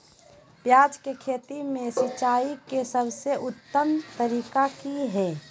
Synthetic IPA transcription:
pjaːd͡ʒkekʰeːt̪imẽsit͡ʃaːikesəbseʔʊt̪ːəmt̪əɾiːkakiɦɛː

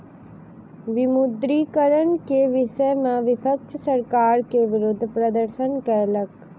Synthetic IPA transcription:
ʋɪmʊd̪ɾiːkəɾənkeʋɪʃəjmãʋɪpʰək̚t͡ʃʰəsəɾkaːɾkeʋɪɾʊd̪ʱːpɾəd̪əɾʃənkɛːlək

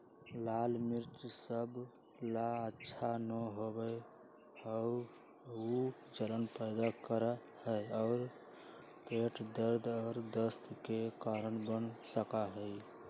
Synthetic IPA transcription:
lalmiɾt͡ʃsəb | laətːʃʰanəɦobə | ɔʊɾ | ud͡ʒələnpəɪd̪akəɾa | həjɔʊɾ | peʈd̪əɾd̪ʱɔːɾd̪əst̪ʰkekaɾənbənsəkaɦəj

